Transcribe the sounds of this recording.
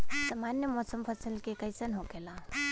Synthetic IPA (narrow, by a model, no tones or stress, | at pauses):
səmanjəmɔsəmpʰəsəlkekəjsənɦokela